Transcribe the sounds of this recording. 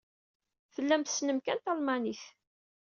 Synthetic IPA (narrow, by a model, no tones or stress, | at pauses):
θəlːæmθə̥snəmkænt̪ɑlmɑniθ